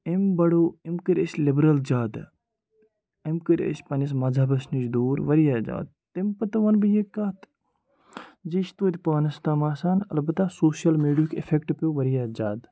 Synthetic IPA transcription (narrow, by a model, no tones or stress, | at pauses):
imbɐɽoːimkɨɾʲəslibɾɐld͡ʒaːd̪ | ɐmkɨɾʲə̰sʲpɐnɐs̬mɐd͡zʱaːbɐsnid͡ʒd̪oːɾʋɐɾijaːd͡ʒa̰ːd̪̚ | t̪impɐt̪ɐʋɐnbɨjekːaːt̪ | d͡ʒiʃt̪oːt̪ʲipaːnɐst̪amaːsaːnɐlbɐt̪asoːsjɐlmiːɖijukʲefʰekʈpʲoːʋɐɾijaːd͡ʒaːd̪